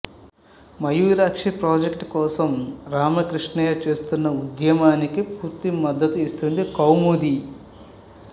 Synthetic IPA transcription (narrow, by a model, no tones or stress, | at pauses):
mɐjuːɾaːkʂipɾoːd͡ʒekʈkɔːsɐmɾaːmɐkɾiʂɳɐjɐt͡ʃe̞ːst̪unːɐud̪jɐmaːnikipuːɾt̪imɐd̪ːɐt̪uist̪und̪ikɐwmud̪i